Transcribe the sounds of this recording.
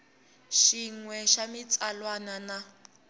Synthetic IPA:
ʃiŋwɛʃamit͡sʼalwanana

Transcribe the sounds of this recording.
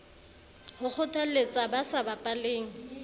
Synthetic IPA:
hʊk͡xʰʊtʼalet͡sʼabasabapʼaleːŋ̩

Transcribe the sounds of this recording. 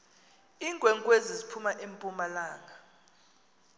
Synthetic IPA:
iːŋɡʱwɛŋkʼwezizipʰumaʔempʼumalaːŋa

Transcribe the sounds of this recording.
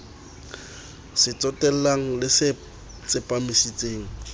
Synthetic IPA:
sɪt͡sʼɔtʼɛl̩laŋ̩lɪsɪ | t͡sʼɪpʼamisit͡sʼeːŋ̩

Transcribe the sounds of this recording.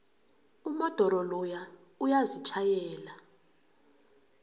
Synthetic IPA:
umɔd̥ʱɔɾɔlɔja | ujazit͡ʃʰajɛːla

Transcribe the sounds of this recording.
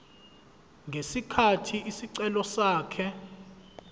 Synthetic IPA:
ŋɡʱesikʰatʰiʔisiǀɛlɔsaːkʰɛ

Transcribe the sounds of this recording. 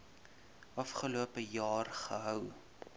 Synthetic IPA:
ʔɐfχəluəpəjɑːrχəɦœw

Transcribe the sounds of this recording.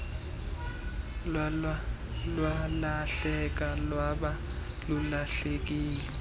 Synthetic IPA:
lwalaɬɛk̬alwaɓa | lulaɬek̬iːlɛ

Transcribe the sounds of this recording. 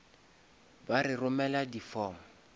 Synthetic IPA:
barɪrʊmɛladifɔːmʊ

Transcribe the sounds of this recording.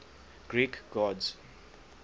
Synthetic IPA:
ɡ̥ɹikɡɔdz

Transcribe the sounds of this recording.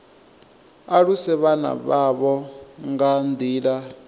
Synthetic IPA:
aɺusɛβana̰βaβɔŋɡand̪iːɺa

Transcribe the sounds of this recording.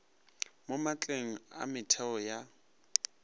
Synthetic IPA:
momat͡ɬʼeŋ̩a̰mɪtʰɛɔja

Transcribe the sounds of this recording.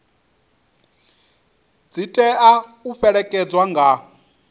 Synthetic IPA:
d͡zitʼɛʔauɸɛɺɛkʼɛd͡zwaŋɡa

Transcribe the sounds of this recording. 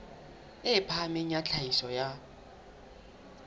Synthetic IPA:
ɪpʰamɪɲat͡ɬʰaisɔja

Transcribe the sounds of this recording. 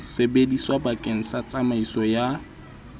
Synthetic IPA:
sebediswabakʼeŋ̩sat͡sʼamaisɔja

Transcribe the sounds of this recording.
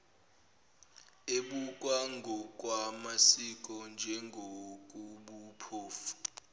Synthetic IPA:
eɓukʼwaŋɡʱɔk̬ʼwamasik̬ʼɔnd͡ʒʱɛŋɡʱokʼuɓupʰoːfu̥

